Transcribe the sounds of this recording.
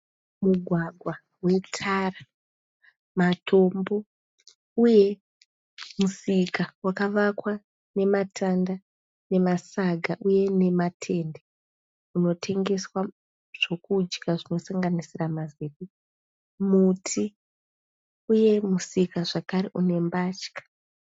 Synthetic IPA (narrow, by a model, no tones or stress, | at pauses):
muɡʱwaɡʱwa | we̞tʰara | matʰo̞mbo̞ | uje̞ | musikawakaʋakwa | ne̞matʰanda | ne̞masaɡʱaʔuje̞ne̞matʰe̞nde | uno̞tʰe̞ŋɡe̞swa | ʐ̥o̞kud͡ʒɡaʐino̞saŋɡanisiramazeɓi | mutʰi | uje̞musikaʐakaɾeʔune̞mbat͡ʃkḁ